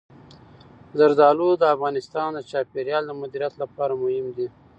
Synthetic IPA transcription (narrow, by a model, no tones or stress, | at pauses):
zaɾd̪ɑlod̪əafɣɑnɪst̪ɑnd̪ət͡ʃɑpeɾjɑld̪əmʊd̪iɾijat̪lapɑɾamʊhɪmd̪i